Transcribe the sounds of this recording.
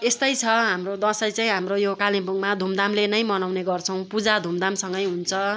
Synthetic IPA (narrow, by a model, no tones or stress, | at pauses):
est̪ʌjt͡sʰʌɦamrod̪ʌsʌjt͡saĩɦamrojokalipuŋmad̪ʱumd̪amlenʌjmʌnawneɡʌrt͡sʰʌw̃pud͡zad̪ʱumd̪amsʌŋɡʌjɦunt͡sʰʌ